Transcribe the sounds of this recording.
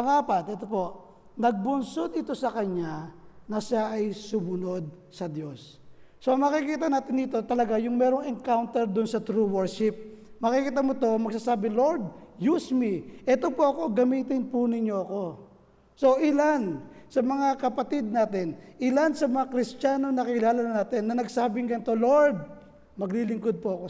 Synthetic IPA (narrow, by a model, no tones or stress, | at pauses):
pɐŋaːpat̪̚ʔɛt̪o̞po̞ʔ | nɐɡ̚bʊnsod̪ɪt̪o̞sɐkɐɲanɐʃaʔɐjsʊmʊno̞d̪̚ | sɐd̪jo̞sː | o̞ɐŋmɐkɪkiːt̪ɐnaːt̪ɪnɪt̪o̞t̪ɐlɐɡajʊŋmɛːɾo̞ŋɛŋkawnt̪ɛɾd̪ʊnsɐt̪ɾuwɛɹʃɪp̚mɐkikiːt̪̬ɐmot̪o̞mɐɡsaːsaːbɪlo̞ɾd̪̚jusmiʔɛt̪o̞poʔɐko̞ɡɐmiːt̪ɪnpʊnɪɲːo̞ɐko̞ | so̞ʔɪlansɐmɐŋakɐpɐt̪id̪̚naːt̪ɪnʔɪlansɐmɐŋakɾɪst͡ʃaːno̞nɐkɐkɪlaːlɐnɐnaːt̪ɪnːɐnɐɡsaːbɪŋɡɐnɪt̪o̞lo̞ɹd̪̚ | mɐɡlilɪŋkod̪̚poɐko